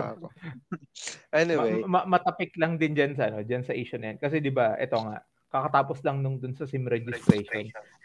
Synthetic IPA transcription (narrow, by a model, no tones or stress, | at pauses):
ʔɛniwemɐmɐt̪ɐpɪklɐŋd̪ɪnd͡ʒansɐʔɐno̞d͡ʒansɐʔiːʃonɐjonkɐsɛd̪ɪbaʔɛ̰t̪o̞ŋa̰ʔ | kɐkɐt̪aːposlɐŋnʊŋd̪ʊnsɐsɪmɾɛd͡ʒɪst̪ɾɛjʃon